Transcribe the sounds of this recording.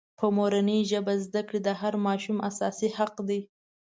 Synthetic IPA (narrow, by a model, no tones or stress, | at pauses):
pʰəmoɾanəʒəbazd̪akɽid̪əɦaɾmɑʃumasɑsihaqd̪i